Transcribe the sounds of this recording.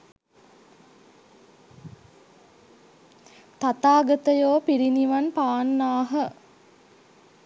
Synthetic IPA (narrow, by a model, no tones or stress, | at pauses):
t̪at̪aːɡət̪əjoːpiɾiniʋanpaːnːaːɦə